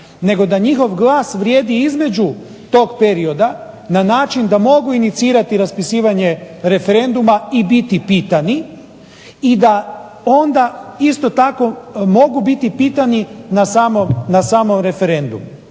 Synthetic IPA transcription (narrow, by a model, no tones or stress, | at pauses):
ne̞ɡo̞d̪aɲixo̞ʋɡlˠaːsʋɾjeːd̪iizme̞d͡ʒu | t̪o̞ːɡpe̞ɾio̞d̪a | nanaːt͡ʃind̪amo̞ɡuinit̪siːɾat̪iɾaspisiːʋaɲe̞ɾe̞fe̞ɾe̞nd̪umaibit̪ipiːt̪ani | id̪a | o̞nd̪aist̪o̞t̪ako̞mo̞ɡubit̪ipiːt̪aninasaːmomnasaːmo̞mɾe̞fe̞ɾe̞nd̪ṵmu